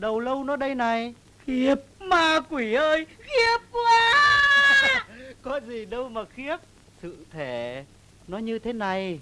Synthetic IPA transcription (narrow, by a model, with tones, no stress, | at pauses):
ɗə˨˩wlə˧wnɔ˨˦ɗə˧jna˨˩j | ɣi˦˥əp̚maː˨˧˩kwi˧˩ʔəː˧jɣi˦˥əp̚ːaː˧ | kɔ˨˦zi˨˩ɗə˧wmaː˨˩xi˦˥əp̚ | sɨ̰˧˨t̪ʰe˧˩ | nɔ˨˦ɲɨ˧t̪ʰe˨˦na˨˩j